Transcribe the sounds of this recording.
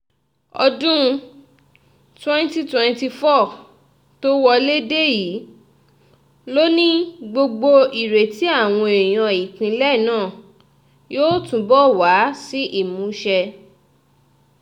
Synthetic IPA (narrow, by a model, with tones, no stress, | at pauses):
ɔ˧dũ˦˧ | twɛ̃˦nti˦twɛ̃˧nti˧fɔ˦˨ | to˦wɔ˧le˦de˦ji˨˦ | lo˦nĩ˦ɡ͡bo˧ɡ͡bo˧i˨ɾe˨ti˨˦a˦˨w̃ɔ̃˧ẽ˨j̃ɔ̃˧i˨kĩ˧lɛ˦˨nãː˦˨ | joː˦tũ˧˦bɔ˦˨wa˨˦si˦ʔi˦˨mũ˨˦ʃɛ˧